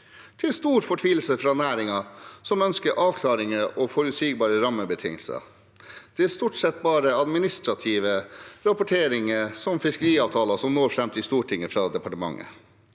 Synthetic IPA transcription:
t̪ʰɪlst̪uːɾfɔʈʰʋiːl̩səfɾɑːnæːɾɪŋɑsɔmœnskəɾʔɑːʋkʰlɑːɾɪŋəʔɔfɔɾʉt̪siːɡbɑːɾəɾɑmːəbət̪ʰɪ̰ŋəlsə̰ | d̪̥ɛæːst̪uːʈsɛt̪ːbɑːɾəɑd̪mɪnɪst̪ɾɑt̪ʰiːʋəɾɑpʊʈʰeːɾɪŋəsɔmfɪskəɾiːɑːʋt̪ʰɑːlɑsɔmnoːɾfɾɛmt̪ʰɪst̪uːʈʰɪŋːəfɾɑd̪ɛpʰɑʈəmɑ̰ŋːə̰

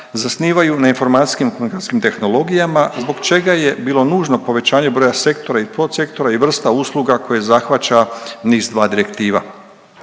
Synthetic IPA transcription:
zasniːʋajunainfo̞ɾmaːt̪i̥skimkomunikaskimt̪e̞xno̞lˠo̞ɡijamazbo̞ɡt͡ʃe̞ɡaje̞biːlˠo̞nuːʒno̞po̞ʋe̞t͡ɕaːɲe̞bɾo̞ːjase̞kt̪o̞ɾaipɾot̪se̞kt̪o̞ɾaiʋr̩st̪auslˠuɡako̞jezaxʋat͡ɕaniːzd̪ʋaːd̪iɾe̞kt̪iːʋa̰

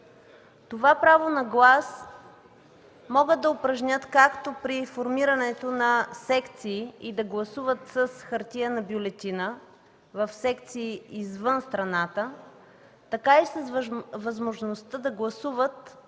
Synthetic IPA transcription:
t̪ovapɾavonɐɡlˠas | mɔɡəd̪̚d̪ɐopɾɐʒnʲət̪kakt̪opɾifoɾmiɾɐnɛt̪onɐsɛkt̪siːid̪ɐɡlˠɐsuvət̪səsxɐɾt̪ijənɐbjolɛt̪inə | vɐfsɛkt̪siːizvənst̪ɾɐnat̪ə | t̪ɐkaisəsvɐzmoʒnost̪əd̪ɐɡlˠɐsuvət̪̚

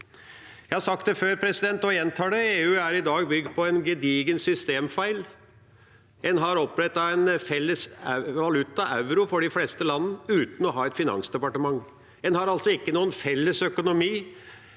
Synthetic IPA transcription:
jæɪhɑsɑk̚t̪d̪ɛføːɾpʰɾɛsɪd̪ɛnt̪ɔjɛnt̪ʰɑːɖɛeːʉːæɾɪd̪ɑːɡbʏɡ̚d̪̚pʰɔɛnɡəd̪iːɡənsʏst̪eːmfæɪl | ɛnɦɑɾɔpːɾɛt̪ːɑɛnfɛlːəsʋɑlʉt̪ːɑʔɑʉɾʊfɔɖɪfleːst̪əlɑnːənəʉːt̪n̩ɔɦɑːɛt̪fɪnɑ̰nsd̪ɛpɑʈəmɑŋː | ɛnhɑɾɑlt̪sɔɪkːənuːənfɛlːəsœkʊnʊmiː

